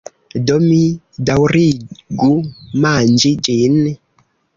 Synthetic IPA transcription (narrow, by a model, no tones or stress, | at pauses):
dɔmi | dawɾiɡumand͡ʒid͡ʒini